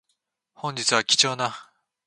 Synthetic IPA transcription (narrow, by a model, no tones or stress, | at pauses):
hõɲ̟d͡ʑit͡sɨβakʲi̥t͡ɕo̞ːna